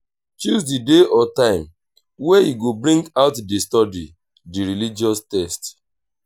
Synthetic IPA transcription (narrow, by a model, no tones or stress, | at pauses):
t͡ʃuzsdideɔtãɪ̃m | wejiɡobɾĩŋɡaʊtdistɔdi | diɾilid͡ʒiɔstɛst